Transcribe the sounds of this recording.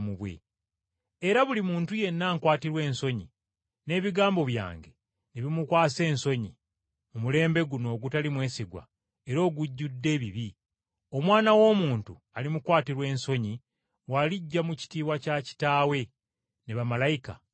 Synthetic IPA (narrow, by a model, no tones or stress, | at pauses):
muβwḛ | eɾaβulimuːntuje̞nːaːŋkwaːtiɾwe̞ːnso̞ɲi | ne̞ːβiɡaːmbo̞βja̰ːŋɡe̞ | neβimukwaːse̞ːnso̞ɲi | mumule̞ːmbe̞ɡuno̞ːɡutalimwe̞ːsiɡwa̰ | e̞ɾo̞ːɡuɟːudːe̞ːβiβi | o̞mwaːnawo̞ːmuːntu | alimukwaːtiɾwe̞ːnso̞ɲi | waliɟːamuci̥tiːβwacaci̥taːwe̞ | neβamalajika̰